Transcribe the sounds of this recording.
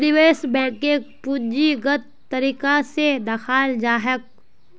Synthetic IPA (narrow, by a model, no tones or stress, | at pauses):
ɾɪweːsbɛ̃ːkepud͡ʒiɡɐt̪ː | ɐɾiːkased̪axaːld͡ʒaːɦək̚